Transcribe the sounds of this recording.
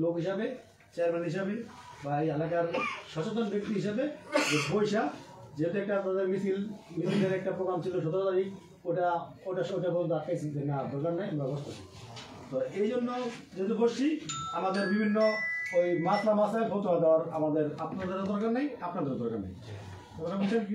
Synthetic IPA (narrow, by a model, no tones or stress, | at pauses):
lokɦiʃabe | t͡ɕɛaɾmɛnɦiʃabebaejɛlakaɾʃɔt͡ɕet̪̬onbek̚t̪iɦiʃabed͡ʑepojʃa | d͡ʑet̪ɛk̚ʈaapnad̪eɾmisilmisilkeɾɛk̚ʈapɾoɡɾamt͡ɕʰiloʃɔd̪aɾt̪aɾik | ojʈa | ojʈaʃɔoʈabɔnd̪aɾt̪ːajsʰid͡ʑenad̪ɔɾkaɾnajamɾabɔst̪osi | t̪oejd͡ʑonːod͡ʑet̪uboʃiamad̪eɾbibʱinːoojmaslamasaelfot̪oad̪eoaɾamad̪eɾapnaɾd̪eɾed̪ɔɾkaɾnajapnaɾd̪ɔɾd̪ɔɾka̰ɾna̰j | ɔknaboʃa